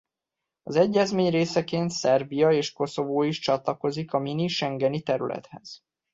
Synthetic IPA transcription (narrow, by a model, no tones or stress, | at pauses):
ɒzɛɟːɛzmeːɲreːsɛkeːnt̪sɛrbijɒeːʃko̞so̞voːiʃt͡ʃɒt̪lɒko̞zikɒminiʃɛŋɡɛnit̪ɛɾylɛ̰t̪hɛz̥